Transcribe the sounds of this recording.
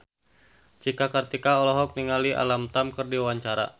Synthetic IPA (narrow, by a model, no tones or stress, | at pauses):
t͡ʃikakərt̪ikaɔlɔɦɔk̚niŋaliʔa̰lamt̪amkərdiwaɲt͡ʃaɾa̰